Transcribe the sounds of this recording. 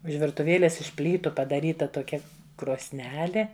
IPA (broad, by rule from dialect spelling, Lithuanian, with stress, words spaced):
ʊʃ ʋʲɪrtʊˈʋʲeːlʲeːs ɪʃ ˈpʲlʲiːtʊ pɐdɐˈrʲiːtɐ toːˈkʲɛ kroːsʲˈnʲæːlʲeː